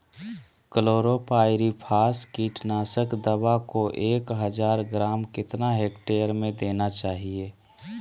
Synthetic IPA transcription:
kəloːɾopaːɪɾipʰaːskiːʈnaːsəkd̪əbakoʔeːkɦəd͡ʒaːɾɡɾaːmkɪt̪naɦeːkʈeːəɾmẽd̪eːnat͡ʃaːɦieː

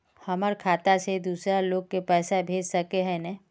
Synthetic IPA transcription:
hɐməɾkʰaːt̪ased̪uːsɾaloːɡ̚kepɛːsabʱeːd͡ʒsɐkeɦɛ̃nɛ̃

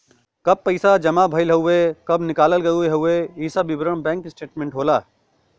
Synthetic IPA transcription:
kɐb̚pɐɪsad͡ʒɐmabʱɐɪlɦɐʊekɐbnɪkaːləlɡɐueɦɐʊeiːsabɪbɾəɳ̃bɛ̃ːŋksʈeːʈmẽːɳʈɦoːlaː

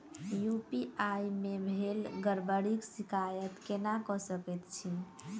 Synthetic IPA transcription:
jupiajmebʱelɡəɾbəɽiksikajət̪kenakɔsəkɛt̪t͡ʃʰi

